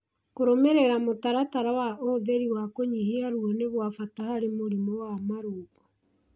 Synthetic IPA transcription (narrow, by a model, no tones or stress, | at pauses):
koɾomeɾeɾamotaɾataɾawaoðeɾiwakoɲiheaɾuɔneɣwafatahaɾemoɾimɔwamaɾoːɣɔ